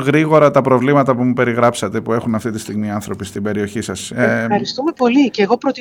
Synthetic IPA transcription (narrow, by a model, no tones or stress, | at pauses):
ɣɾiɣo̞ɾɐt̪ɐpɾo̞vlimɐt̪ɐpumupe̞ɾiɣɾɐpsɐt̪e̞pue̞xunɐft̪it̪ist̪iɣmiɐnθɾo̞pist̪ibe̞ɾio̞çisɐseɐɾist̪umepo̞liceːɣo̞pɾot̪i